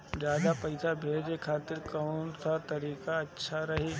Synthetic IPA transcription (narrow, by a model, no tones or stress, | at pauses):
d͡ʒjaːd̪apɐɪsabʱeːd͡ʒekʰaːt̪ɪɾkaʊnkʰat̪ɐɾiːkaɐtːʃʰaɾɐɦeː